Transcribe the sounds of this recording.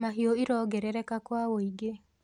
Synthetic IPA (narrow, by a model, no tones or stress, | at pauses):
maɦioiɾɔɡɛɾɛɾɛkakwawoiɡe